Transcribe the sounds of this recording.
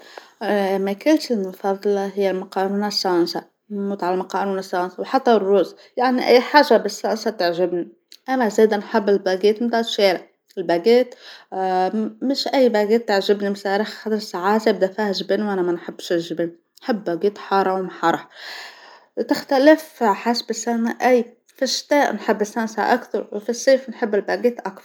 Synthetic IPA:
mækɪlt̪ɪnfɑðˤlɑɦɪjːælmʊqɑːnuːnɪsːansa | muːt̪ʕalalmʊqɑːnuːnsːaɪnsawħɑt̪ːɑrˤːuːz | jaʕniʔæ̰jːħaːʒabɪsːaːnsat̪aʕʒɪbni | ʔæmæzeːd̪anħɪbːɪlbæɡeːt̪md̪ɑːt̪ʃeːɾɪʕ | ɪlbæɡeːt̪ | mɪʃʔajːbaɡeːt̪ːaʕʒɪbnimsaːɾɪxxad̪ɾsaʕaːzɪbd̪afiːhʒɪbiːnwʔanamanħɪbːʃɪʒbiːn | nħɪbːaɡeːt̪ħɑːɾˤɑwmħɑɾˤɑħ | t̪ɪxt̪alɪfħasbɪsanaʔajː | fiʃt̪aːʔnħɪbːɪsːansa̰ʔakθɑɾˤwfisːeːfnħɪbːɪlbaːɡiːt̪ʔakθɑɾ

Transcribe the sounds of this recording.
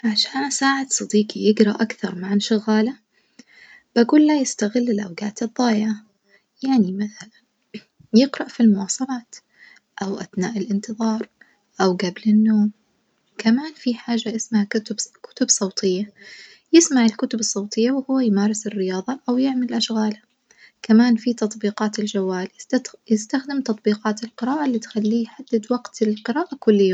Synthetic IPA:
ʕaʃaːnsaːʕad̪sˤɑd̪iːqijɪɡɾɑʔakθɑɾˤmaʕanʃʊɣaːla | b̥aɡuːlːajɪst̪aɣɪlːɪlʔawɡaːt̪ɨðˤːɑːjʕa | jaʕnimaθalan | jɪɡɾˤɑʔfilmʊwɑːsˤɑlɑːt̪ | ʔawʔaθnaːʔɪlʔɪnt̪ɨðˤɑːɾˤ | ʔawɡablɪnːoːm | kamaːnfiħaːʒːajɪsmaʕbkʊ̥t̪ʊbsˤɑwt̪ʰˤɪjːa | jɪsmaʕɪlkʊt̪ʊbɨsˤːɑwt̪ˤɨjːawhʊwːajmaːɾˤɪsɪrːɪjɑːðˤɑʔawjɪʕmalʔaʃɣaːla | kamaːnfit̪ɑt̪ˤbiːqɑːt̪ɪld͡ʒawːaːljjɪst̪axd̪ɪmt̪ɑt̪ˤbiːqɑːt̪ɪlqɨɾɑːʔalːiːt̪xalːiːjħad̪ːɪd̪waɡt̪ɪlqɨɾaːʔakʊlːɪjː

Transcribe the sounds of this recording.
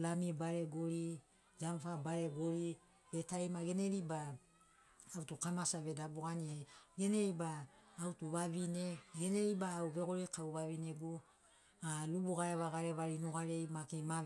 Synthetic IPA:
lamibaɾe̞ɡoɾi | d͡ʒamfabaɾe̞ɡoɾi | βetajmaɡe̞neɾibaː | wtukamasaβe̞daboɡanieɡe̞neibaːwtuβaβine̞ɡeneɾibaːwβe̞ɡoɾekawβaβineɡu | alubuɡaeβaɡaɾeβaɾinuɡaɾejmakema

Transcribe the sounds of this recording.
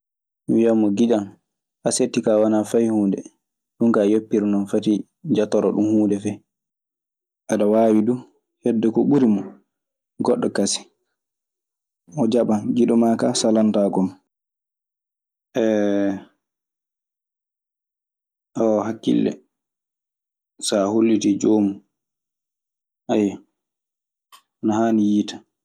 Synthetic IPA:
wijamːɔɡiɗan | ʔasetːikawanafajhuːndɛ | ɗuŋkajopːiɾnɔnfati | d͡ʒatɔɾɔɗumhuːndɛfɛ | ʔaɗawaːwidu | hɛdːɛkɔɓuɾimɔ | ɡɔɗːɔkasi̥ | ɔd͡ʒaɓanɡiɗɔmakasalantaɡɔm | ʔɛ | ʔɔhakːḭlːɛ̰ | saholːitid͡ʒoːmu | ʔaja | anahaːnijitḁ

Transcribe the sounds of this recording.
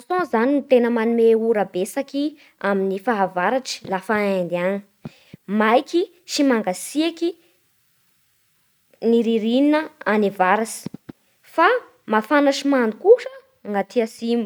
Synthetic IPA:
sõzaninit̪enəmanumeuɾabesaki | aminifaɦavaɾaʈ͡ʂi̥lafaand̪iani̥ | majki | ʃimaŋɡasiaki | niɾiɾininəanevaɾasi̥ | fa | mafanaʂimanukuʂə | ŋɡat̪ʰiasimu

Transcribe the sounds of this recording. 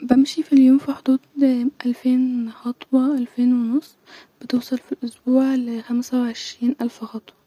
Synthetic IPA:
bæmʃifiljoːmfiħod̪uːd̪ʔælfeːnxɑt̪ˤwɑʔælfeːnwenosˤːb̥et̪ewsˤɑlfilʔosbuːʕlexæmsæwʕeʃɾiːnʔælfxɑt̪ˤwɑ

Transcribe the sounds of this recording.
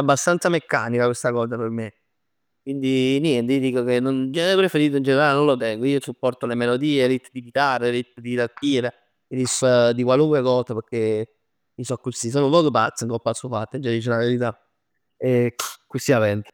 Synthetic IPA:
abːast̪ant̪samekːa̰nikakwest̪akɔːs̬aperme | kwind̪injɛnt̪ejd̪iːkokenːond͡ʒɛɛpɾefeɾiːt̪oind͡ʒeneɾalenõnlot̪ɛŋɡoiːosupːɔrt̪olemelod̪iːeɾit̪ːd̪ipit̪areɾit̪ːd̪it̪at̪ːiːɾe | d̪isad̪ikwaluŋkwekɔːsaperkːe | insɔkːusis̬oːnoumpɔːd̪upa̰t̪sːiŋkolpːat̪sːuofat̪ːad͡ʒad̪iːt͡ʃelaʋeɾit̪a | ekusiavɛnt̪e

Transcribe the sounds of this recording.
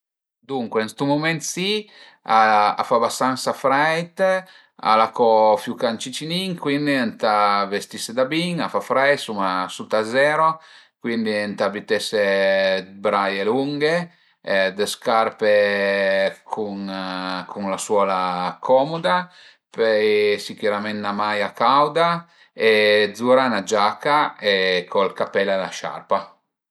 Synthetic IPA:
d̪uŋkwenst̪umomɛnt̪si | aa̰fabast̪ansafɾɛjt̪ | a̰lakɔfjukant͡ʃit͡ʃiniŋkwind̪int̪avest̪ised̪abiŋafafɾɛjtsumasut̪azɛːɾo | kwind̪int̪abit̪ɛse | bɾajeluŋɡe | d̪eskarpe | kʰuŋkʰuŋlaswɔːlakʰɔmod̪a | pɛjsik̟uɾamɛnːamajakawd̪a | ed̪zuɾanad͡ʒakːaekʰolkapɛlala̰ʃa̰rpa

